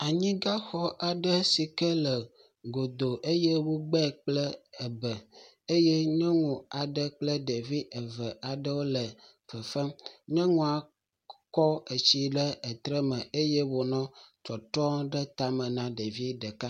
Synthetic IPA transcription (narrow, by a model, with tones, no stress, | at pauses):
a˨ɲĩ˦ɡa˦xɔ˦ʔa˨ɖə˦si˨kə˦lə˨ | ɡo˨d̪o˨ʔe˦je˦wu˦ɡ͡bɛ˦˨k͡plə˦ə˨bə˨ | e˦jɛ˦ɲɛ̃˦ŋũ˨a˨ɖə˦k͡plə˦ɖe˨vi˦ə˨və˨ʔa˨ɖə˦wo˦lə˨ | fə˨fə˦ɲɛ̃˦ŋũ˦a˨ | kɔ˦ə˨t͡ʃi˨ɖə˦ʔə˨t̪ɾə˦mə̃˨ʔe˦jɛ˦wo˨nɔ̃˦t̪ɔ˨t̪ɔ̃˦ɖə˦t̪a˨mə̃˨nã˨ɖe˨vi˦ɖə˨ka˦